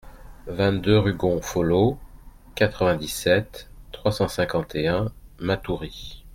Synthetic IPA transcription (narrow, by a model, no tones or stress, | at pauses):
vɛ̃t̪̚d̪øʁyɡɔ̃folo | kat̪χəvɛ̃d̪isɛt̪ːχwasɑ̃sɛ̃kɑ̃t̪eɛ̃mat̪uʁi